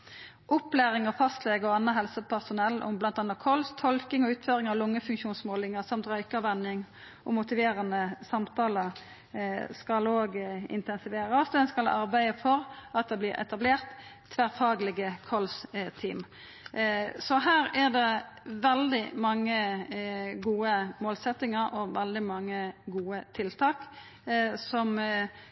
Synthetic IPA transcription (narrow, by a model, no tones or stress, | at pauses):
ʔʊplæːɾɪŋəfɑst̪lɛɡɔɑnːəɦɛlsəpʰæʁsʊnɛlːʔʊ̰mblɑnt̪ɑːnɑtkʰɔlst̪ʰɔlkɪŋɔʉːt̪føːʁɪŋɑʋlʊŋːəfʉŋkʃuːnsmoːlɪŋəsɑmt̪ʁœʏkəʋɛnːɪŋ | ʔɔmʊt̪ɪʋeːʁənəsɑmt̪ʰɑːləɾ | skɑloːɡɪ̰nt̪ɛnsɪʋeːɾɑsɛnskɑlʔɑɾbæɪəfɔʁɑt̪̚d̪ɛblɪɾɛ̰t̪ɑbleːʁt̪ʰː | ʋæʁfɑːɡlɪɡəkʰɔlst̪ʰiːm | sɔɦæːɾæʁd̪ɛ | ʋɛld̪ɪmɑŋːə | ɡuːəmoːlsɛt̪ːɪŋəɾʔɔʋɛld̪ɪmɑŋːəɡuːət̪ʰɪlt̪ʰɑːk | sɔm